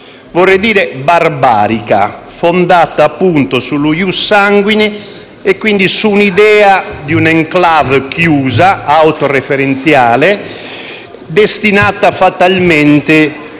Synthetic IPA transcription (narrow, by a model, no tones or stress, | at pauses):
vɔrːed̪iːɾɛbarba̰ːɾika̰ | fɔnd̪at̪aːpːunt̪osulujusːaŋɡwini | ɛkːwind̪isunid̪ɛːad̪iunɛŋklavkjuːzaawt̪ɔrɛfɛɾɛnt̪sjaːlɛ | d̪est̪inaːt̪afat̪almɛnt̪ɛ